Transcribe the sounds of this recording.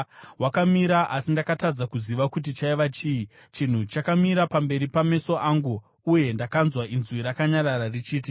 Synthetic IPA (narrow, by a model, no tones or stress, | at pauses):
wakamiɾaʔasindakatad͡zakuziʋakut̬it͡ʃaiʋat͡ʃii | t͡ʃin̤ut͡ʃakamiɾapambe̞ɾipame̞so̞ʔaŋɡu | uje̞ndakanzwainzwiɾakaɲarararit͡ʃiːt̬i